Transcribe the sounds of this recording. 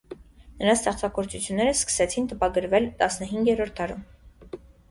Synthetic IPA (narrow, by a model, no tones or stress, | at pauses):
nəɾɑst̪ɛχt͡sʰɑɡɔɾt͡sut͡sʰjunːɛɾəskə̥sɛt͡sʰint̪əpɑɡəɾvɛlt̪ɑsnəɦiŋɡjɛɾɔɾt̪̚ʰːɑɾum